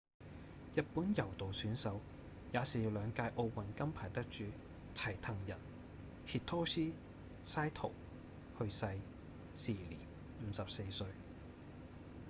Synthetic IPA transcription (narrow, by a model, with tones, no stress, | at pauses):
jɐ˨t̚puː˨˥njɐ˨˩wt̪o˨wsyː˨˥nsɐ˨˥w | jaː˨˧siː˨i˨˧wlœː˨˧ŋkaː˧jʔo˧wwɐ˨˩nkɐ˥mpʰaː˨˩jt̪ɐ˥k̚t͡ʃyː˨˧ | t͡sʰɐ˨˩jt̪ʰɐ˨˩ŋjɐ˨˩n | hi˧t̚t̪ʰɔː˥siː˥ | saː˥jt̪ʰo˨˩w | hɵ˧ɥsɐ˧j | siː˨˩lḭː˨˩n | m̩ː˨˧sɐ˨p̚se˧jsɵ˧ɥ